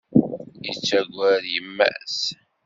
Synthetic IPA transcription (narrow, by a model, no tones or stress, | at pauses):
jət͡sːæɡʷæɾjəmːæ̰s